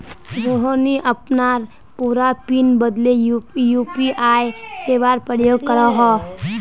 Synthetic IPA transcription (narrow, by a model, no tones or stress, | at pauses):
ɾoɦoniʔəpnaːɾ | puːɾapinbəd̪lejujuːpiʔaːjseːʋaːɾpɾəjoːɡ̚kəɾaɦɔː